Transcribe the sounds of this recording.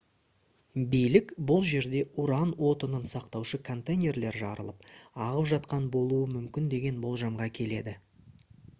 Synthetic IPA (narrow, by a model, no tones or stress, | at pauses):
bijlɪkbʊlˠʒe̞ɾd̪e̞ʊɾɑnwo̞t̪ənənsɑqt̪ɑwʃəkʰo̞nt̪ejnʲe̞ɾle̞ɾʒɑ̰ɾə̰lˠəp̚ɑʁəpʒɑt̪qɑnbo̞lˠuəmʏmkʲɪnd̪e̞ɡʲe̞nbo̞lˠʒɑmʁɑkʲʰe̞le̞d̪ɪ